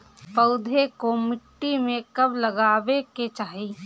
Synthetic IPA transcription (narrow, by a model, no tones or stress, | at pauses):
pəʊd̪ʱekomɪʈːimẽkɐbləɡaːbeket͡ʃaːɦiː